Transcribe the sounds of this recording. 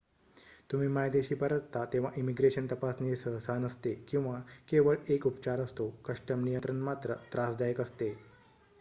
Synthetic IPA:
t̪um̤iːmajd̪eɕiːpəɾət̪t̪at̪ẽʋ̤aʔimiɡɾeɕənt̪əpasnesəɦsanəst̪ekĩw̃ʋakeʋəɭekupt͡ɕaɾəst̪okəʂʈəmnijənt̪ɾənmat̪ɾə̰t̪ɾasd̪ajəkəst̪e

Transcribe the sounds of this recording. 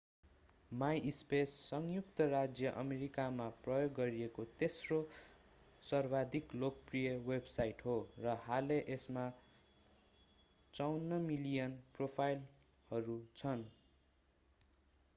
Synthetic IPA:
majʔspesːʌŋjukt̪ʌrad͡zjʌʔʌmeɾikamaprʌjoɡːʌɾiekot̪esro | sʌrbad̪ʱiklokprijʌwebsajʈɦorʌhaleʔesma | t͡sʌwnːʌmilijʌnpropʰajl | hʌɾut͡sʰʌn

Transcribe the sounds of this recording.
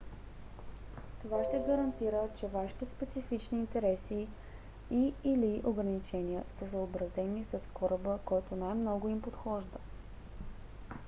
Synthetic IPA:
t̪ovaʃt̪ɛɡəɾɐnt̪iɾət͡ʃɛvaʃi̥t̪ɛspɛt̪sifit͡ʃniːnt̪ɛɾɛsi | iːliʔoɡɾənit͡ʃɛniəsəsəobɾɐzɛnisəskɔɾəbəkɔjt̪onajmnɔɡʊimpot̪xɔʒd̪ə

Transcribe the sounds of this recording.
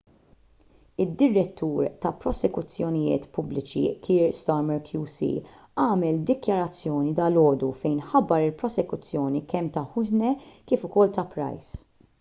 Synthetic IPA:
ɪd̪ːɪɾːɛt̪ːuːɾt̪ɐpɾɔsɛkʊt͡sːjɔnɪjɪ̰ːt̪pʊblɪt͡ʃḭkʰiːɾst̪ɔɾmɛɾkʰjuːsḭ | ɐːmɛld̪ɪkjɐɾɐt͡sːjɔːnid̪ɐlɔːd̪ufɛjnħɐbːɐɾɪlpɾɔsɛkʊt͡sːjɔːnikɛmt̪ɐħʊhnɛkɪːfʊkɔlt̪ɐpɾɐ̰js

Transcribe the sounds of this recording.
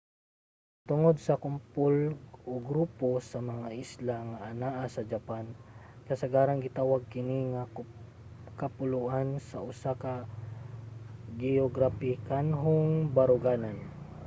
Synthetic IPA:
t̪ʊŋod̪̚sɐkʊmpʊlʔoɡɾuːposɐmɐŋaʔɪslaŋaʔːnaʔasɐd͡ʒapankɐsɐɡaːɾaŋɡɪt̪aːwaɡ̚kɪnɪŋa | kapʊluʔansaʔʊsaka | ɡɛoɡɾapɪkanɦʊŋbaɾʊɡaːnan

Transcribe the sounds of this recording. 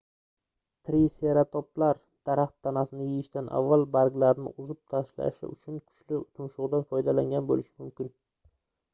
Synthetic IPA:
t̪ʰɾiseɾat̪ʰɒplaɾ | d̪̥aɾaχt̪ʰːanasɪnɪjɪjɪʃt̪anʔa̰vːalˠbaɾɡlaɾnɪ̰ʔʊzɪp̚t̪ʰaʃla̰ʃɪ̰ʊ̰t͡ʃʰʊnkʰʊ̥ʃlɪt̪ʰʊnʃʊʁd̪anfɒjd̪alaŋʲanbolɪʃɪmʊmkʲɪn

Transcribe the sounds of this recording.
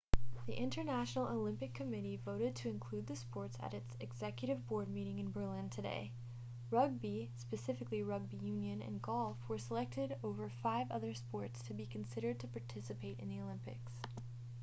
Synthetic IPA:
ðiʔɪ̃ntə˞næʃnl̩ˠoʊlɪ̃mpɨkʰɨmɪɾivoʊɾɨd̚tʰɨɨ̃nkʰl̥ʉd̪̚ðɨspɔɹtsɨ̰ɾɨtsɨɡz̥ɛkjɨɾɨvbɔɹd̚miɾɪ̃ŋɨ̃nbə˞lɪ̃ntʰɨdḛɪ | ɹʌɡ̚bispɨsɪfɨkliɹʌɡ̚bijʉ̃njɨ̃nɨ̰̃nɡɔlˠfwə˞səlɛk̚tɪɾoʊvə˞faɪvʌðə˞spɔɹtstʰɨbikʰɨ̃n̩sɪɾə˞d̚tʰɨpʰɑɹtʰɪsɨpʰeɪɾɨ̰̃nðioʊlɪ̃mpɪ̰ks

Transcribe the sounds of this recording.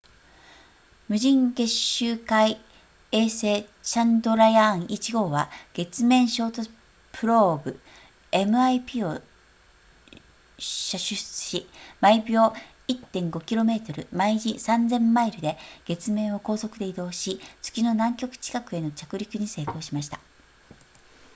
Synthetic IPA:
mɯ̟ʑĩŋɡe̞ɕɨːkai | eːse̞ːt͡ɕãnd̪o̞ɾaiãɰ̃it͡ɕiɡo̞ːβaɡ̥e̞t͡sɨmẽ̞ɰ̃ɕo̞ːt̪o | pʰɯ̟ɾo̞ːbɯ̟ | e̞mɯ̟aipʲiːo̞ | ɕaɕɨɕt͡sɨ̥ɕimaibʲjo̞ː | it̪ːẽ̞ŋɡo̞kʲiɾo̞me̞ːt̪o̞ɾɯ̟̰maiʑisãnd͡zẽ̞mːaiɾɯ̟d̪e̞ɡ̥e̞t͡sɨmẽ̞ɰ̃o̞ko̞ːso̞kɯ̟d̪e̞id̪o̞ːɕit͡sɨ̥kʲino̞nãŋkʲo̞kɯ̟̥t͡ɕi̥kakɯ̟e̞no̞t͡ɕakɯ̟ɾʲikɯ̟ɲ̟ise̞ːko̞ːɕimaɕi̥t̪a

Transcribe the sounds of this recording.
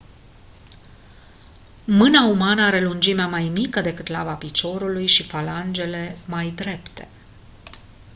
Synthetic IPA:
mɨnaumanəaɾe̞lund͡ʒimeamajmikəd̪e̞kɨt̪lavapit͡ʃo̞ɾulujʃifaland͡ʒe̞le̞majd̪ɾe̞pt̪e̞̥

